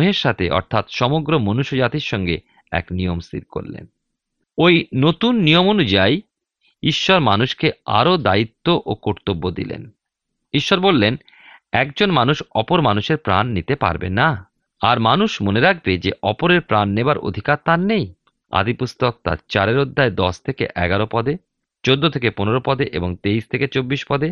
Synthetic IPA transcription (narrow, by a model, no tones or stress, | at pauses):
ɦeɾʃat̪ʰḛʔɔ̰ɾt̪ʰat̪ʃɔmoɡɾomonuʃod͡ʑat̪iɾʃɔŋɡe | ɛ̰knijomst̪ḭɾko̰ɾlḛn | ojnot̪unːijomonud͡ʑaj | iʃːɔɾmanuʃkea̰ɾod̪ait̪ːoʔokoɾt̪obːod̪ḭlḛn | iʃːɔɾbolːen | ɛk̚d͡ʑonmanuʃɔpoɾmanuʃeɾpɾa̰nːit̪epa̰ɾbḛna | aɾmanuʃmoneɾak̚ʰbed͡ʑḛʔɔpoɾeɾpɾanːebaɾo̰d̪ʱikaɾt̪anːej | a̰d̪ipust̪ok̚t̪a̰ɾt͡ɕaɾeɾod̪ʱːaed̪ɔst̪ʰekḛʔɛɡaɾopɔd̪e | t͡ɕod̪ːot̪ʰekeponeɾopɔd̪eʔḛboŋt̪eiʃt̪ʰeket͡ɕobːiʃpɔd̪e